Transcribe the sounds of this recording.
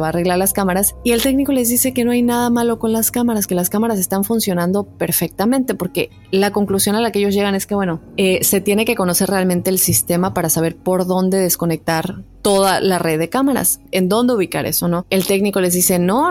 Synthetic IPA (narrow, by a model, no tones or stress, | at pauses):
βaːre̞ɣlaɾlaskamaɾasie̞lt̪e̞kniko̞le̞zðise̞keno̞ajnaðamalo̞ko̞nlaskamaɾaske̞laskamaɾas̬e̞st̪aɱfunsjo̞nãnd̪o̞pe̞ɾfek̚t̪amẽnt̪e̞po̞ɾke̞ | lako̞ŋklusjo̞nalakeeʝo̞zʝe̞ɣane̞ske̞βwe̞no̞ese̞t̪je̞ne̞ke̞ko̞no̞se̞ɾrealmẽ̞nt̪e̞ːlsist̪e̞mapaɾasaβ̞e̞ɾpo̞ɾðo̞nd̪e̞ðe̞sko̞ne̞k̚t̪aɾt̪o̞ð̞alareðːe̞kamaɾa̰se̞nd̪o̞nd̪e̞uβika̰ɾʔe̞̰so̞no̞e̞lt̪e̞kniko̞le̞zðise̞no̞